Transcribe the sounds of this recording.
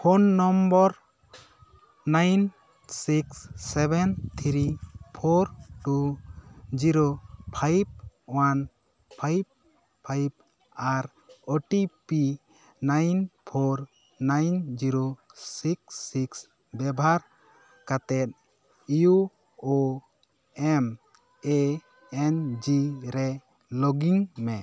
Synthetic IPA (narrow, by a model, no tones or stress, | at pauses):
pʰonːɔmbɔɾ | najn | siksːɛbɛnt̪ʰɾipʰoɾʈu | d͡ʒiɾopʰajb̚wan | pʰajb̚ | pʰajb̚ | aɾ | ɔʈipi | najnpʰɔɾ | najnd͡ʒiɾosiksiks | bɛbaɾ | kat̪ɛt̪̚ | ju | o | ɛm | e | ɛnd͡ʒiɾɛ | lɔɡiŋmɛ